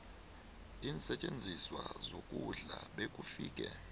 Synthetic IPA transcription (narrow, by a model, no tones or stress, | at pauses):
iːnsɛt͡ʃʼend͡zʱiswazokʼuɮaɓekʼufiːkʼɛ